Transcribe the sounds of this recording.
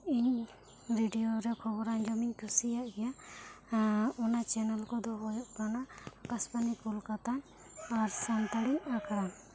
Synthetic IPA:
iɲ | ɾiɖijoɾɛkʰɔbɔɾaɲd͡ʒɔmiɲkʰusijaʔɡɛja | ɔnat͡ʃɛnɛlkɔd̪ɔɦɔjɔʔkanaːkasbanikulkat̪an | aɾsant̪aɽiɲakaɾa

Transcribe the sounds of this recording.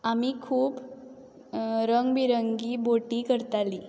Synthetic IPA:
amiːkʰuːb | ɾəŋɡbiɾəŋɡiːboʈiːkəɾt̪aliː

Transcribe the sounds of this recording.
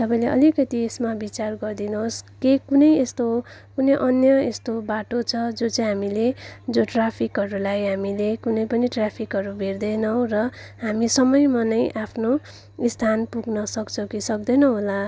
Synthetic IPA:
t̪ʌpaĩleʔʌ̰likʌt̪iesmabit͡sarɡʌrd̪inuɦoskekunʌjest̪o | kunʌjʔʌnjʌest̪obaʈot͡sʰʌd͡zot͡sʌĩɦamiled͡zoʈrapʰikɦʌɾulajɦamilekunʌjpʌniʈrapʰikɦʌɾubʱerd̪ʌnʌw̃rʌɦamisʌmʌjmanʌjʔapʰno | ist̪ʰanpuɡnʌsʌkt͡sʰʌwkisʌk̚d̪ʌnʌɦola

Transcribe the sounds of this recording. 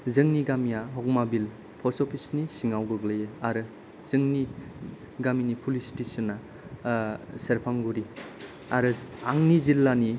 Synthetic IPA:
zɯŋniɡamijaɦɔk̚mabil | pʰɔsɔpʰisnisiŋawɡɯɡlɯjɯaɾɯ | z̥ɯŋni | ɡaminipʰulistesɔnːa | seɾpʰaŋɡuɾi | aɾɯaŋnizilːani

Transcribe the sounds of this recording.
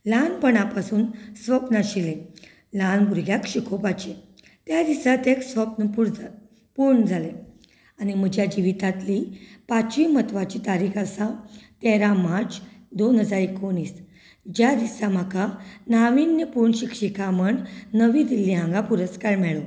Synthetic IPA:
lanpəɳapasuːnsʋəpnaɕilẽ | lanbuɾɡʱjakɕikʰopat͡ɕe | t̪jad̪isat̪eksʋəpnəpuɾ | puɾɳəd͡zʱale | añim̤əd͡ʑjad͡ʑiʋit̪at̪lipat͡ɕʋimət̪ʋat͡ɕit̪aɾikasat̪eɾamat͡sd̪onɦəd͡zaɾekoniːs | d͡ʑjad̪isam̤əkanaʋinːəpuɾɳɕikɕikaməɳːəʋiːd̪ilːiɦãŋɡapuɾəskaɾmɛɭo

